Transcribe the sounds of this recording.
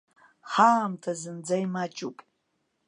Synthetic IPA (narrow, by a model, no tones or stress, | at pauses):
χaamtʰazɨnd͡zajmat͡ʃʼupʼ